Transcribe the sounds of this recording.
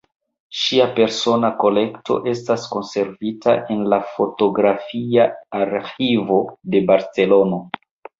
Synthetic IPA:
ʃiape̞ɾso̞nako̞le̞kto̞̰ʔe̞stasko̞nse̞ɾvita̰ʔe̞nlafo̞to̞ɡɾafiaːɾxivo̞de̞baɾt͡se̞lo̞no̞

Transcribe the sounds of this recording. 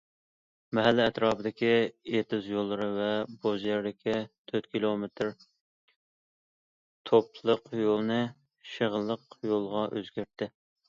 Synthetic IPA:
mɛɦælːɪɛt̪ɾɑːpɨd̪ɪkʲiet̪ɪzjolˠːɨɾɨvɛbozjɛɾd̪ɪkʲʰit̪ʰøt̪kʲʰilˠomet̪ʰɾ | t̪ʰopʰlˠəqjolˠnɨ | ʃəʁəlˠːəqjolˠʁɑʔøzɡʲæɾt̪ʰːɪ

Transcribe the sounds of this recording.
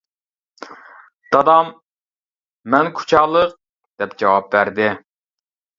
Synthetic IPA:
d̪̥ɑd̪ɑm | ɛnkʰu̥t͡ʃʰɑːlˠəq̚ | d̪̥ɛp̚d͡ʒɑwɑp̚bæɾd̪ɪ

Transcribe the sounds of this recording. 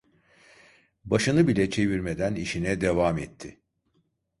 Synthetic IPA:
baʃɯnɯbilʲɛt͡ʃʰe̞viɾmed̪æniʃinɛd̪evaːmɛt̪ʰːɪ

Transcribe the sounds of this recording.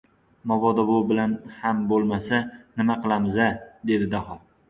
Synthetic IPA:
mɒvɒd̪ɒbʊbɪlanhambolˠmasanɪmaqʰɨlˠamɪzad̪e̞d̪ɪd̪ahɒ

